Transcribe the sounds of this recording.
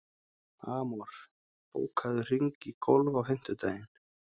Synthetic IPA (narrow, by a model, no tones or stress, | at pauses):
aːmɔɾ̥ | po̰ːwkʰaðʏr̥iŋkikʰɔlvawɦɪn̥t̪ʏt̪aːjɪn